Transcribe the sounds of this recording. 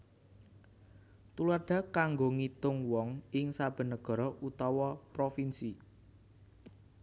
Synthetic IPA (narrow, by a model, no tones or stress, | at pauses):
t̪ularɖ̥ä̤kaŋɡoŋit̪ʊŋwɔŋɪŋsab̥ə̤nəɡ̥ɔ̤ɾɔʔut̪ɔwɔpɾofinsi